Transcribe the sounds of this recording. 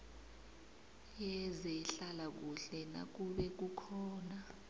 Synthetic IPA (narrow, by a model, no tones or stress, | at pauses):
jɛzɛɬalak̬uɬɛna̰k̬uɓɛk̬ukʰɔːna